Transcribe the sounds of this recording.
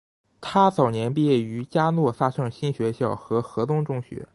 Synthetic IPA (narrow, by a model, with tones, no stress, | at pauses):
t̪ʰa˥t͡sɑ˨˩ʊnjɛ˧˥npi˥˧jɛ˥˩y˧˥t͡ɕja˥nwɔ˥˩fa˥ʂɤ˥˧ŋɕi˥nɕɥɛ˧˥ɕjɑ˥˩ʊxɤ˧˥xɤ˧˥t̪ʊ˥ŋʈ͡ʂʊ˥˧ŋɕɥɛ̰˧˥